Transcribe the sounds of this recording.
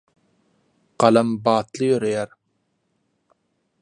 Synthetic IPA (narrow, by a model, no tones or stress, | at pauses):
ɢ̥ɑlɑmbɑːt̪lˠɯjøɾejæɾ